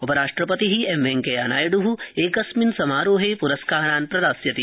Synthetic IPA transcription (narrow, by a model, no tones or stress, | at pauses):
opɐɾaːʂʈɾɐpɐt̪iɦiemeŋkejaːnaːjɐɖuɦueːkɐsminsɐmaːɾoːɦepuɾɐskaːɾaːnpɾɐd̪aːsjɐt̪i